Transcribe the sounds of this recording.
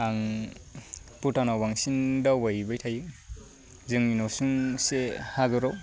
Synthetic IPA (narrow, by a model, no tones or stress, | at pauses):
aŋ | putanawbaŋsindawajbɯjtʰajɯŋ | zɯŋinɔsuŋsehaɡɯɾɔw